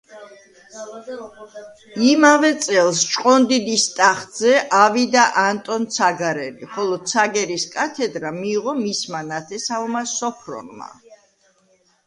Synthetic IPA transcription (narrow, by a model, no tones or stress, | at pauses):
imavɛt̪sʼɛlˠst͡ʃʼqʼɔnd̪id̪ist̪ʼaχzɛʔavid̪aʔant̪ʼɔnt̪sʰaɡaɾɛliχɔlˠɔsʰaɡɛɾiskʼat̪ʰɛd̪ɾamiːʁɔmismanat̪ʰɛsaɔmasɔpʰɾɔ̰nma̰